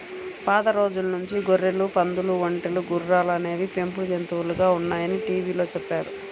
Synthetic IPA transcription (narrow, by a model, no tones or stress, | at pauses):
paːd̪ɐɾo̞ːd͡ʒulɐnuɲt͡ʃiɡoɾːelupɐnd̪uluʋoɳʈeluɡuɾɾaːlɐne̞ːʋipe̞mpulud͡ʒent̪uʋuluɡaːunːaːjɐniʈiːʋiːlo̞ːt͡ʃɛpːaːɾu